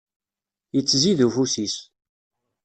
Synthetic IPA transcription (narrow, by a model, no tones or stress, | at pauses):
jət͡sːziðufusis